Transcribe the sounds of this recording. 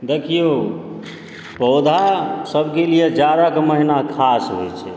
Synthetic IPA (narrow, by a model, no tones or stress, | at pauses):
d̪ekʰijo | pəʊd̪ʱasəbʱkelijed͡ʒjad̪akeməɦinakʰasɦojt͡ʃʰɛ